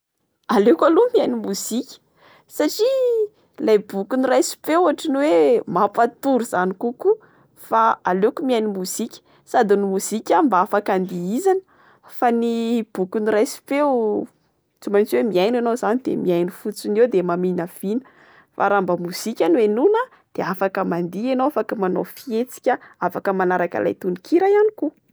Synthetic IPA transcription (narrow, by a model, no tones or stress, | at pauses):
alekalumiajnimuz̥ikʲə̥ | saʈ͡ʂi | lajbukunirajsi̥pewaʈ͡ʂiniwemapat̪uɾuz̥anikuku | faalekumiajnimuz̥ikʲə̥ | sad̪inimuz̥ikʲambaafakand̪iizanə̥ | fanib̥ukunirajsi̥pew | t͡sumajnt͡siwemiajnanozanid̪ḛmiajnifut͡sunewd̪emaminəv̥inə̥ | fa̰ɾambəmuz̥ikʲanwenunə | d̪̥eafakəmand̪ienowafakəmanofiet͡si̥kʲəafakəmanaɾaka̰lʔa̰jt̪unikiɾajaniku